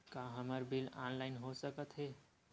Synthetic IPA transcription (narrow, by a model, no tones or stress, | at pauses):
kaɦəməɾbilanlaɪnɦosəkət̪ɦe